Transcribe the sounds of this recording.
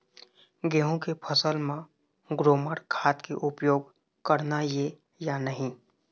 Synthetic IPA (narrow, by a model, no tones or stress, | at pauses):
ɡeːɦõkepʰəsəlmã | ɡɾoːməɽkʰaːt̪kḛʔʊpjoːɡ | kəɾnaje | janəɦĩː